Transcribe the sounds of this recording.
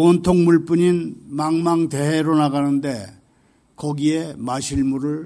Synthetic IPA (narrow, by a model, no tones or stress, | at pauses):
ʌntʰoŋmuɭp͈uɲinmaŋmaŋte̞ɦeɾonaɡanɯnde̞ | kʌɡiemaɕʰiɭmuɾɯɭ